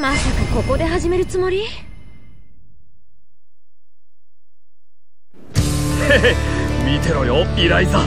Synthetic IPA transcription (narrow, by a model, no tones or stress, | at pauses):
masakako̞ko̞d̪e̞ɦaʑime̞ɾɯ̟t͡sɨmo̞ɾʲi | hemʲit̪e̞ɾojoiɾait̪a